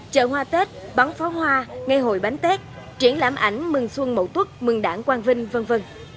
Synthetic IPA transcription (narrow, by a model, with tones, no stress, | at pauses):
t͡ɕə̰ː˧˨˩ɦwaː˧t̪e˦˥t̚ɓa˨˦ŋfɔ˨˦ɦwaː˧ŋa˧jɦo̰˧˩jɓa˨˦ŋt̪e˦˥t̚ | t͡ɕi˧˩ənla̰ː˧˩mʔa̰˧˩jŋ̟mɨ˨˩ŋswə˧ŋmə̰˧˩wt̪wu˦˥t̚mɨ˨˩ŋɗa̰ː˧˩ŋkwaː˧nvï˧ŋ̟və˧nvə˧n